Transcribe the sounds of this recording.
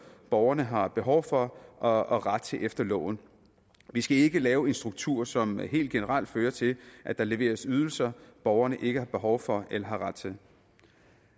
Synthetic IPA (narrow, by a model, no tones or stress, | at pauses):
b̥ɒʊɐnəɦɑ̈b̥e̝ɦɒ̽ʊfɒ̽ʔɒɒʁad̥̚t͡sʰe̝ʔefd̥ɐlɔ̰ʊn̩ | ʋisɡ̥æe̝ɡ̥əlɛːʊe̝nsd̥ʁuɡ̥t͡sʰuɐ̰sɒ̽mɦe̝̰ːld̥ɡ̥enəʁɑl̰d̥føːɐt͡sʰe̝lʔæd̥ɑ̈le̝ʋe̝̰ːɐsyð̞ˠl̩sɐb̥ɒʊɐnəʔe̝ɡ̥əhɑ̈b̥e̝ɦɒʊfɒ̽elɐɦɑ̈ʁɑd̥t͡sʰe̝